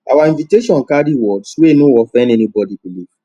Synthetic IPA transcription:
ʔawaĩnviteʃɔ̃nkadiwɔdswenoɔfɛ̃ndɛnibɔdibilik

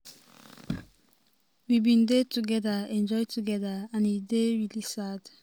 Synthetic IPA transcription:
wibĩndetuɡɛdaɛ̃nd͡ʒɔjtuɡɛdaãnideɹilisad̥

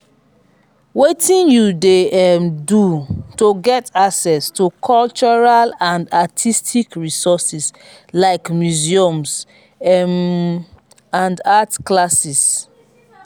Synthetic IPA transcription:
wetĩnjudemdutoɡɛtaksɛstukʰɔlt͡ʃɔɹalãndatʰistʰikɹisɔsis | laɪkmjuziɔ̃ms | ɛm | ãndatklasis

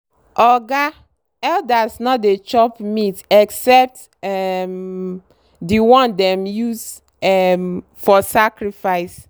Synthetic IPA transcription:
ʔɔɡa | ɛldasnɔt̚det͡ʃɔpmitɛksɛp̚t | ɛm | diwɔ̃ndɛ̃mjuz | ɛmfɔsakɹifaɪs

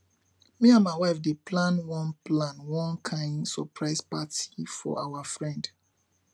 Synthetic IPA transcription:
wiãmawafdepʰlãnwɔ̃nplãnwɔ̃nkʰãɪ̃ndsɔpʰɹaɪspatifɔ̰ʔawafɹɛ̃nd

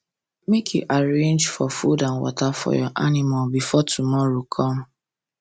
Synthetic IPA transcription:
mekʰjuʔaɹẽnd͡ʒfɔfudãnwɔ̰tafɔ̰jɔʔanɪmalbifɔtʰumɔɹokʰɔm

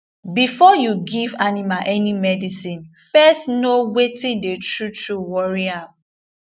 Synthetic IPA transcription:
bifɔjuɡivanimaʔɛnimɛdisĩnfɛstnowetĩdetɹutɹuwɔɹiãm

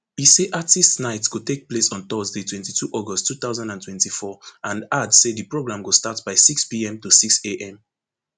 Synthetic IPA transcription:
iseʔatistnaɪtsɡ̥otek̚plesɔ̃ntɔzditʰwɛ̃ntitʰuʔɔɡɔstʰːuθaʊzãndãntwɛ̃ntifɔʔãnadsedipɹoɡɹãmɡostatbaɪsikspiɛ̃mtusikseʔɛ̃m

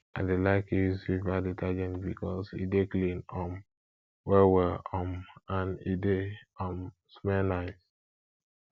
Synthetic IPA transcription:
ʔaɪdelaɪkisivaditʰad͡ʒɛ̃ntbikɔsḭdeklĩnɔm | wɛwɛɔmãnideɔm | smɛnaɪt

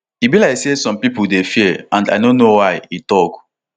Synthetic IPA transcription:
ibilaɪksesɔ̃mpipudefiãnda̰dõnowaɪitɔk

